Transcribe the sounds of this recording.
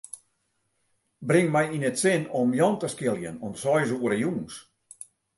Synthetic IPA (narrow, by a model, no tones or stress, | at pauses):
brɪŋmɛjinətsɪnɔmjɔntəskɪlˠjənɔnsɔjzuəɾəjuŋs